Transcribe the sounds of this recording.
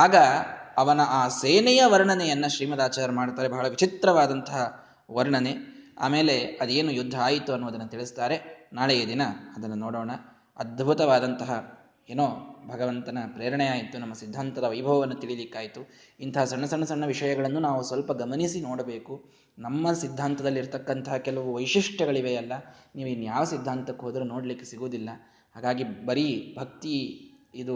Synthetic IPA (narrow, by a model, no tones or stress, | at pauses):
aːɡɐɐʋɐnɐʔaːseːnɛjɐʋɐɾɳɐnɛjɐnːɐʃɾiːmɐd̪aːt͡ʃaːɾɐmaːɽt̪aːɾe̞bɐɦɐɭɐʋit͡ʃit̪ɾɐʋaːd̪ɐnt̪ɐɦɐ | ʋɐɾɳɐne̞a̰ːme̞ːle̞ɐd̪eːnujud̪ʱːɐaːjit̪ːuɐnːuʋɐd̪ɐnːɐt̪iɭist̪aːɾe̞naːɭejed̪inɐɐd̪ɐnːɐnɔːɽoːɳɐ | ɐd̪̚bʱut̪ɐʋaːd̪ɐnt̪ɐɦɐ | eːnoːbʱɐɡɐʋɐnt̪ɐnɐpɾeːɾɐɳɛjaːjit̪ːunɐmːɐsid̪ʱːaːnt̪ɐd̪ɐʋɐjbʱɐʋɐʋɐnːɐt̪iɭilikːaːjit̪u | int̪ʰɐɦɐsɐɳːɐsɐɳːɐsɐɳːɐʋiʂɐjɐɡɐɭɐnːunaːʋusʋɐlpɐɡɐmɐnisinoːɽɐbe̞ːku | nɐmːɐsid̪ʱːaːnt̪ɐd̪ɐlːiɾt̪ɐkːɐnt̪ɐɦɐkɛlɐʋuʋɐjʂiʂʈʰjɐɡɐɭiʋejɐlːɐniːʋuinːujaːʋɐsid̪ʱːaːnt̪ɐkːɦoːd̪ɾuno̞ːɽlikːesiɡoːd̪ilːɐ | haːɡaːɡibɐɾibʱɐkt̪i | id̪u